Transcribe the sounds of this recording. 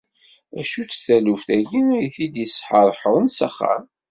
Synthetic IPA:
æʃut͡sːθælufθæʝiniθid̪əsħəɾˤħəwˤənsəχːa̰m

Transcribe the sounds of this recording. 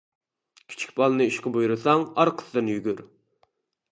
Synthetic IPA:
kʲʰi̥t͡ʃʰi̥kʲbɑlˠɨnɨiʃqəbujuɾɨsɑŋɑɾqʰə̥sɨd̪ɨnjyɡʲyɾ

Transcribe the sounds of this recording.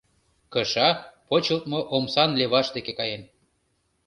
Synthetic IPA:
kəʃɑpot͡ɕəlt̪̚moʔomsɑnleβɑʃd̪ekekɑjen

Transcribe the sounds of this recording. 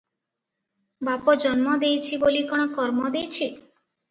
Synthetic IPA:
bapɔd͡ʒɔnmɔd̪ejt͡ʃʰibolikɔɽ̃ɔkɔɾmɔd̪ejt͡ʃʰi

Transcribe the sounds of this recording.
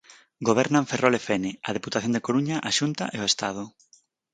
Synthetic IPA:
ɡoβ̞eɾnãɱferolefenɪɐð̞eput̪aθjond̪ekoɾuɲaʔaʃunt̪a̰ʔeoest̪að̞ʊ

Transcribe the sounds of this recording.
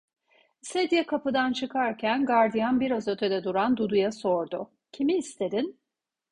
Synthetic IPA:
sed̪ijakʰapɯd̪ant͡ʃʰɯkʰaɾcʰænɡaɾd̪ijanbiɾazø̞t̪ʰød̪ɛd̪uɾand̪ud̪ujaso̞ɾd̪ʊ | cʰimiːst̪ʰe̞d̪in

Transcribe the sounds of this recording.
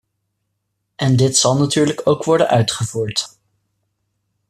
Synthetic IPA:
ʔɛndɪtsɑlˠnatyːɹləkowkʋɔɹdənœɥtχəvuːɹt

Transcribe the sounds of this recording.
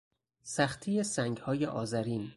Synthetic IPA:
sæxt̪ʰijesæŋɡhɒːjeʔɒːzæɾiːn

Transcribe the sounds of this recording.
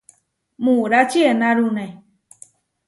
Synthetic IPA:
mũɾat͡ʃienãɾunẽ

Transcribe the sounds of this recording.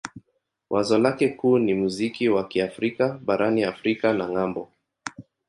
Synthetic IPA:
wʔazɔlakɛkuːnimuzikiwakiafɾikaɓaɾʔaniafɾikanaŋambɔ

